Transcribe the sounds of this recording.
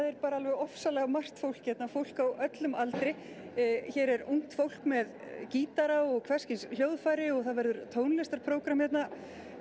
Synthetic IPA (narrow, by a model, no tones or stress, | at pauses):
aðɛɾpaːɾaalvɛɣɔfsalɛɣamar̥t̪fowl̥kjɛt̪nafowl̥kawœt̪lʏmalt̪ɾɪ | çɛːɾɛɾuŋ̥t̪fowl̥kmɛð | ciːt̪aɾaɔɣkʰvɛrscɪnshjoːwðfajɾɪɔɣθaðvɛɾðʏɾt̪ʰoːwnlɛst̪aɾpʰɾoːwkɾamjɛt̪na